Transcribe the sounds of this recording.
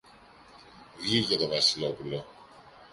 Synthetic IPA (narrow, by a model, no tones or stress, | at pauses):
ʝiʝɐt̪o̞vɐsilo̞pulo̞